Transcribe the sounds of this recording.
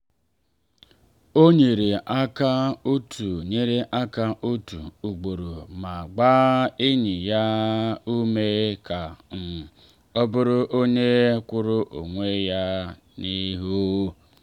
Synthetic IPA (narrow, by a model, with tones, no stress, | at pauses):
o˦ɲe˨ɾe˨a˦ka˦u˦tʰu˨ɲe˦ɾe˦ʔa˦ka˦ʔo˦tu˨u˨ɡ͡bo˨ɾo˨ma˨ɡ͡ba˦i˦ɲi˨ja˦u˦me˦ka˨m̩˨ | ɔ˦bʊ˦ɾʊ˦ʔo˦ɲe˦kʷʊ˦ɾʊ˦ʔo̰˨ŋʷe˦ja˦ | ni˦ɦu˦o˦